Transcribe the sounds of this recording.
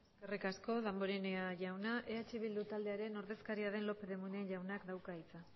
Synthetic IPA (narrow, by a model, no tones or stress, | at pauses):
eskerikasko̞ðamboɾineaʝawnaʔe̞at͡ʃiβ̞ild̪ut̪ald̪e̞aɾe̞no̞ɾðe̞skaɾiaðe̞nlo̞pe̞ðe̞munenʝawnakd̪awkait͡sa